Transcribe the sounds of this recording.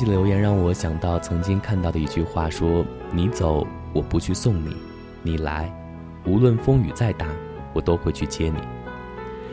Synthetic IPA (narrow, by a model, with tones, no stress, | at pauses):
ljo˧˥ʊjɛ˧˥nɻɑ˥˩ŋwɔ˨˧˥ɕjɑ˨˩ŋt̪ɑ˥˩ʊt͡sʰɤ˧˥ŋt͡ɕi˥ŋkʰa˥˧nt̪ɑ˥˩ʊd̪ə˩i˧˥˩t͡ɕy˥˧xwa˥˩ʂwɔ˥ | ni˧˥t͡so˨˩˦ʊ | wɔ˨˩pu˧˥t͡ɕʰy˥˧sʊ˥˩ŋnḭ˨˩˦ | ni˨˩la̰˧˥ɪ | u˧˥lwə˥˩nfɤ˥ŋy˨˩t͡sa˥˧ɪt̪a˥˩ | wɔ˨˩t̪o˥ʊxwe˥˧ɪt͡ɕʰy˥˩t͡ɕjɛ˥nḭ˨˩˦